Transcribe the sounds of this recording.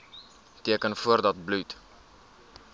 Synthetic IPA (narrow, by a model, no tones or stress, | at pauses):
tiəkənfuərdɐt̚blut